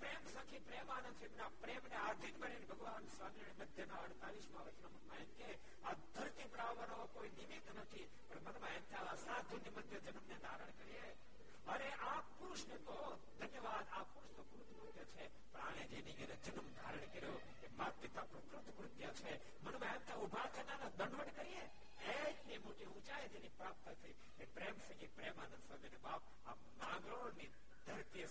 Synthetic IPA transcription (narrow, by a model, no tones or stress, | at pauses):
pɾeːmsə̃kʰĩpɾeːmanə̃nt͡ʃʰemnapɾeːmneaːɾd̪ʱinbəɾenbʱəɡʋaːnsʋaːmɾiɳ̃iməd̪ʱjənaɐɽt̪aːʋiʃmãʋət͡ʃnomɐnʋaːjənt̪e | ad̪ʱɐɾt̪ipəɾaːʋːanokoinimit̪nət̪ʰi | pəɳmənʋaːjənt̪aʋasaːt̪̚d̪ʱunjəməd̪ʱjəd͡ʒənəmned̪aːɾəɳ̃kəɾije | əneapuɾʊʃnet̪o | d̪ʱɐnjəʋad̪apʊɾuʃt̪okɾʊt̪ʰmɾʊt̪jot͡ʃʰe | pɐɳ̃aːned͡ʒeniɡəned͡ʒənəmd̪ʱa̰ɾəɳ̃kəɾjo | kemat̪̚pit̪apɾɐkɾʊt̪ʰːkɾʊt̪jət͡ʃʰe | mɐnumaent̪aubʱat̪ənanad̪əɳɖʋəɳkəɾie | ɦet̪nimoʈiũt͡ʃajed͡ʒenipɾaːp̚t̪ək̪ʰi | kepɾemsɐ̃ɡipɾemanɐnsəbenebaːp̚ | a̰ | nã̰ːŋɡɾoɽni | d̪ʱɐɾt̪iə